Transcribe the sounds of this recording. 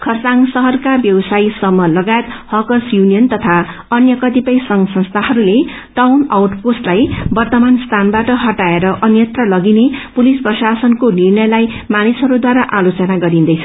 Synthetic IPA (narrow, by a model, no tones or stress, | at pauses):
kʰʌrt͡saŋsʌɦʌrkabjʌwʌsaisʌmːʌlʌɡajet̪hʌkʌrsjunijʌnt̪ʌt̪ʰa | ʌnjʌkʌt̪ipʌjsʌŋɡsʌnst̪ʰaɦʌɾule | ʈawnawʈposʈlajbʌrt̪ʌmanst̪ʰanbaʈʌɦʌʈaeɾʌʔʌnjʌt̪rʌlʌɡinepulisprʌsasʌnkonirnʌjlaj | manisɦʌɾud̪waɾaʔalot͡sʌnaɡʌɾind̪ʌjt͡sʰʌ